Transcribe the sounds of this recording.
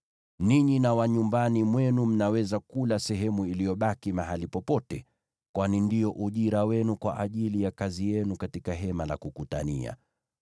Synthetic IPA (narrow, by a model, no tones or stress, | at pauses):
niɲinawaɲumbanimwɛnum̩nawɛzakulasɛɦɛmuilijɔɓakimaɦalipɔpɔtɛ | kwanindijɔʔuʄiɾawɛnukwa̰ʔaʄilijakazijɛnukatikaɦɛmala̰kukuta̰nia̰